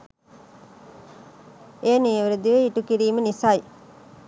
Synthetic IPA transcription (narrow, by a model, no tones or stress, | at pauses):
eːniʋeɾed̪iʋeiʈukiɾiːmənisaj